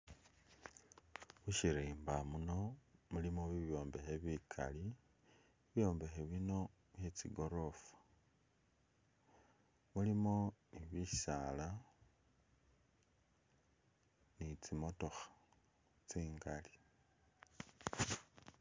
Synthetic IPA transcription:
wuʃiɾiːmbamuno̞mulimoβiβjo̞ːmbexeβikʰa̰li | βjo̞ːmbexeβino̞ | βjet͡siɡo̞ɾofḁ | mulimo̞niβisala | nit͡simo̞to̞xḁ | t͡siːŋɡali̥

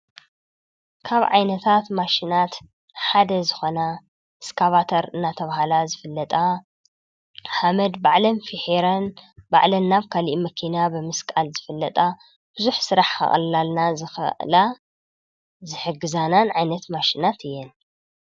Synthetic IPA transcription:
kʰaβʕa̰jnɐt̪ʰat̪maʃinat̪ | ħad̪ɐzɨxona | ʔɨskʰaβat̪ʰɐɾɨnːat̪ʰɐβahalazɨfɨlːɐt̪ʼa | ħamɐd̪baʕlɐnfiħiɾɐnba̰ʕlɐnːaβkʰaliʔmɐkʰinabɨmɨskʼalzɨfɨlːɐt̪ʼa | b̥ɨzuħsɨɾaħkʰɐ̰χʼɐ̰llalnazɨxʔla | zɨħɨɡːɨzananʕajnɐt̪maʃinat̪ʰɨjːɛn

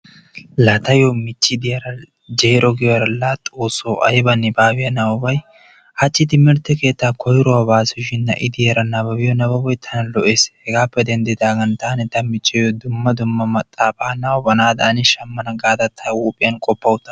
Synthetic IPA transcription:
lat̪ɐjomɪt͡ʃːɪd̪ɪjɐɾɐ | d͡ʒeːɾɔɡɪjɾɐlat̪ʼoːsoːʔɐjbɐnɪbaːbɪjɐnɐwʊbɐj | hɐt͡ʃːɪt̪ɪmɪɾt̪ːɛke̞ːt̪ːaːkʰɔjɾɔwaːbaːsʊʃɪnːɐ̰ʔɪd̪ɪjɐɾɐnɐbɐbɪjɔnɐbɐbɔjt̪ʰːɐnɐlɔʔe̞ːshɛɡaːpːɛd̪ɛnd̪ɪd̪aːɡɐnt̪aːnɪt̪ɐmɪt͡ʃʼːɪjod̪ʊmːɐd̪ʊmːɐmɐt̪ʼːaːbaːnɐwbɐnaːd̪ɐʔːnɪʃɐmːɐnɐɡaːd̪ɐt̪ʰːɐwuːpʼɪjɐnkʼɔpːɐwʊt̪ːɐ

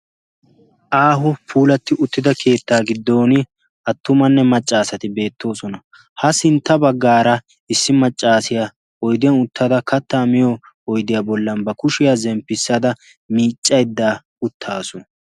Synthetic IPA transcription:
ʔaːɦʊpʰuːlɐt̪ːɪʊt̪ːɪd̪ɐkʰe̞ːt̪ːaːɡɪd̪ːo̞ːnɪ | ʔɐt̪ːʊmɐnːɛmɐt͡ʃʼːaːsɐt̪ɪbe̞ːt̪ːo̞ːsɔnɐ | hɐsɪnt̪ːɐbɐɡːaːɾɐ | ɪsːɪmɐt͡ʃʼːaːsɪjɐ | ɔjd̪ɪjanʊt̪ːɐd̪ɐkɐt̪ːaːmɪjɔ | ɔjd̪ɪjabɔlːɐmbɐkʊʃɪjaːzɛmpːɪsːɐd̪ɐ | miːt͡ʃʼːɐjd̪ːaː | ʊt̪ʰːaːsʊn

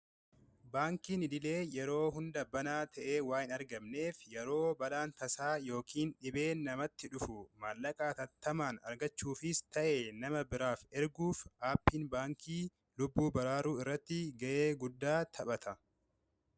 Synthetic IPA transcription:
baːŋkiːnɪd̪ɪle̞ːjɛɾo̞ːɦʊnd̪ɐbɐnaːt̪ʰɐʔeːwaːjɪnɐɾɡɐmne̞ːfjɛɾo̞ːbɐlaːnt̪ɐsaːjo̞ːkʰiːnᶑɪbe̞ːnɐmɐt̪ːɪᶑʊfʊmaːlːɐkʼaːt̪ɐt̪ːɐmaːnɐ̰ɾɡɐt͡ʃːuːfɪst̪ɐʔeːnɐmɐbɪɾaːfɛɾɡuːfʔaːpːiːnbaːŋkʰiː | lʊbːuːbɐɾaːɾuːɪrːɐt̪ːɪɡɐʔeːɡʊd̪ːaːt̪ʰɐɓɐt̪ʰɐ

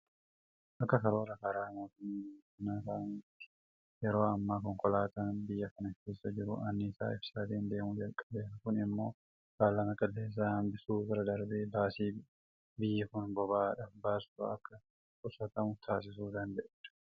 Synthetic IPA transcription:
ʔɐkːɐkɐɾo̞ːɾɐkɐɾaːmoːt̪ʊmːasʊnasaːnɪt̪ːɪ̥ | jɛɾo̞ːɐmːaːkɔŋkʼɔlaːt̪ɐnbɪjːɐkɐnɪkeːsːɐd͡ʒɪɾʊ̰ʔɐnːisa̰ːɪfsaːt̪iːnd̪e̞ːmʊd͡ʒɐlkʼːɐlːeːs̬ɐkʊnɪmːo̞ː | kaːlːɐmɐkʼɐlːe̞ːs̬ːɐhɐmbɪsuːbɪɾɐd̪ɐɾbeːbaːsiː | bɪjːɐkʊnbɔbaːᶑɐfbaːsɐɐkːɐ | kʼʊsɐt̪ɐmʊt̪ʰaːs̬ɪsuːd̪ɐnd̪ɛʔd̪̥ʊ̥

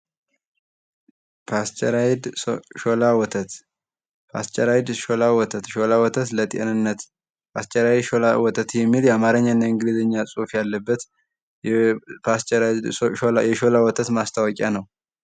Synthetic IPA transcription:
pʰast͡ʃʼɛɾajd̪ʃolawɔt̪ʰət̪ | pʰa̰st͡ʃʼɛɾajd̪ʃolawɔt̪ʰət̪ʃolawɔt̪ʰət̪lət̪ʼḭʔə̰nɨnːət̪ | pʰast͡ʃʼɛɾajd̪ʃolawɔt̪ʰət̪jɛmːiljɛamaɾəɲːanːaɨŋɡɨlizəɲːasʼufjalːəbːət̪ | pʰast͡ʃʼɛɾajd̪jɛʃolawɔt̪ʰət̪mast̪ʰawɔkʼjanəw

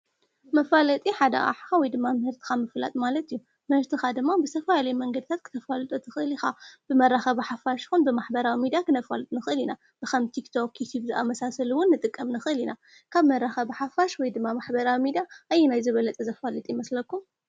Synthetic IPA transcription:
mɐfalɐt̪ʼiħad̪ɐ̰ʔa̰ħxawɔjd̪ɨmːamɨhɨɾt̪ʰɨ̥xamɨfla̰t̪ʼmalɐt̪ijːu | mɨhɨɾt̪ʰɨxad̪ɨmːabɨt̪ʰɐfaalɐjmɐŋɡɐd̪ɨt̪ʰat̪̚kʰɨ̥t̪ʰɐfalɐt̪ʼut̪ʰɨxɨʔɨlixab̥ɨmɐrːaxɐβħafaʃi̥xunbɨmaħbɐɾawimid̪ijakʰɨnɐfalt̪ʼnɨxɨɨlina | b̥ɨxɐmt̪ʰikt̪ʰo̞kːit̪ʰubzɨʔamɐsasɐluwʊnːɨt̪ʼɨkʼːɐmnɨxʔɨlina | kʰaβmɐɾːaxɐbħafaʃwɔjd̪ɨmːamaħbɐɾawimid̪ijaʔajːɛnajzɨβɐlɐt̪ʼzɐfalɐt̪ʼimɐslɐkːum

